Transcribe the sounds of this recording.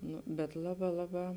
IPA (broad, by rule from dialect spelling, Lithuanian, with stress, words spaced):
ˈnʊ bʲɛt ˈlˠɑːˌbɑː ˈlˠɑːˌbɑː